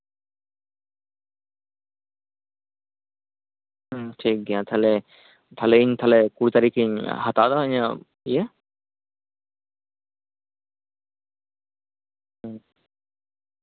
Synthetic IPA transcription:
ʈʰik̚ɡiãt̪ʰale | t̪ʰaleiɲt̪ʰalekuɾit̪aɾikʰiɲɦat̪ad̪aɲa | ije

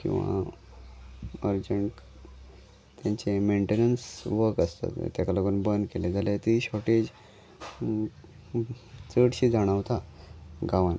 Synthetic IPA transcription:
kḭ̃w̃ʋa̰ | əɾd͡ʑəɳʈ | t̪jãɲt͡ɕemeɳʈenənsʋəɾkəst̪a̰t̪t̪ːjakaləɡuːnbənd̪keled͡zʱalet̪iɕɔʈed͡ʑ | t͡səɽɕiːd͡zʱaɽ̃əʋt̪aɡaʋan

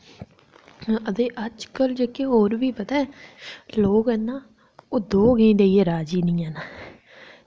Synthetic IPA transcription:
əd̪eːʔəd͡ʒkəld͡ʒeːkeɦoːɾʋiːbət̪ɛː | loːɡɛnːãː | oːd̪oːɡəĩːd̪eiːeːɾaːd͡ʒiːnĩːɛːnaː

